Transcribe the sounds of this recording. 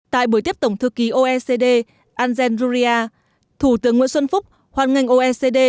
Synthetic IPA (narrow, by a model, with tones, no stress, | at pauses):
t̪a̰ː˧˨jɓu˧˩jt̪i˦˥əp̚t̪ə˨˩wŋ͡mt̪ʰɨ˧ki˨˦ʔo˧ʔɛ˧se˧ɗe˧ | ʔaː˧nzɛ˧nzu˧zi˧ʔaː˧ | t̪ʰu˧˩t̪ɨ˨˦əŋːwḭ˧ənsə˧nfʊ˦˥k͡p̚ | hwaː˨˧˩nŋa˧jŋ̟ʔo˧ʔɛ˧se˧ɗe˧